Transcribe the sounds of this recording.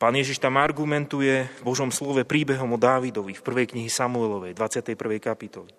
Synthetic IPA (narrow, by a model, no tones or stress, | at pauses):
paːnjɛʒiʃt̪amaɾɡumɛnt̪ujɛvbɔʒɔmslɔʋɛpɾiːbɛɦɔmɔd̪aːʋid̪ɔʋifpr̩ʋɛjkɲiɦisamuɛlɔʋɛjd̪ʋat͡sɪat̪ɛjpr̩ʋɛjkapit̪ɔli